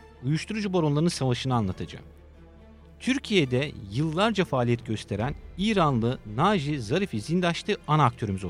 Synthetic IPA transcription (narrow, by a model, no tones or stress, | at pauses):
ujuʃt̪ʰuɾud͡ʒuboɾonlˠaɾɯnsavaʃɯnɯanlˠat̪ʰad͡ʒa̰m | t̪ʰyɾcʰijed̪ɛjɯlˠːaɾd͡ʒafaːlʲijɛt̪̚ɟø̞st̪ʰe̞ɾæniːɾanlˠɯnaːʒizaɾifizind̪aʃt̪ʰɯanak̚t̪ʰø̞ɾymyzo